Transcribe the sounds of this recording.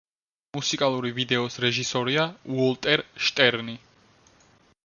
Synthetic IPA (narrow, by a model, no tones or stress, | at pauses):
musikʼalˠuɾivid̪ɛɔsɾɛʒisɔɾiauɔlˠt̪ʼɛɾʃt̪ʼɛɾni